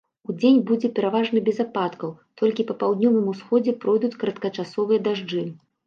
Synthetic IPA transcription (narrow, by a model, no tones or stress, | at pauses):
ud͡zʲenʲbud͡zʲɛpʲɛɾavaʐnɨbʲɛzapat̪kɐwt̪ʰɔlʲkʲipɐpawd̪nʲɔvɨmusxɔd͡zʲɛpɾɔjd̪ut͡sʲkɾɐt̪kɐt͡ʂasɔvɨjɐd̪aʐd͡ʐɨ